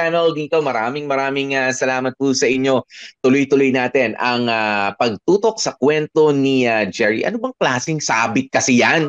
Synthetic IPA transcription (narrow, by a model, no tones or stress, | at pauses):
anɛld̪iːt̪o̞mɐɾaːmɪŋmɐɾaːmɪŋasɐlaːmɐt̪̚pusɐʔɪɲːo̞t̪ʊlojt̪ʊlojnaːt̪ɛnʔɐŋapɐɡ̚t̪uːt̪o̞k̚sɐkwɛnt̪o̞niad͡ʒɛɹḭʔɐ̰nobɐŋklaːsɪŋsabɪt̪̚kɐsɪjan